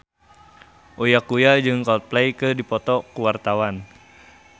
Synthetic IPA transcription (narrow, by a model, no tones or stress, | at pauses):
ʔojakujad͡ʒɨŋkɔt̪̚plɛjkɨdipɔt̪ɔkuwart̪awan